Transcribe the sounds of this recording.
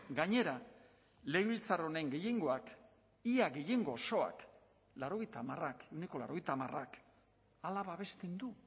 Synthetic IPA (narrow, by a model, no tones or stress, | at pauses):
ɡaɲe̞ɾa | le̞ɣβilt͡saro̞ne̞ŋɡe̞je̞ŋɡo̞ak | iaɣe̞je̞ŋɡo̞so̞a̰k | lawɾo̞ɣejt̪aːmarake̞wneko̞la̰ɾo̞ɣ̞ejt̪amarak | alaβaβe̞st̪end̪u